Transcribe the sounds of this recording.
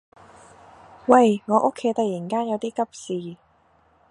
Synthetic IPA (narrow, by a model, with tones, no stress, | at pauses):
wɐ˥˧˩jŋɔː˨˧ʔʊ˥kʰːe˨˥jt̪ɐ˨ji˨˩kaː˥njɐ˨˧wt̪iː˥kɐ˥p̚siː˨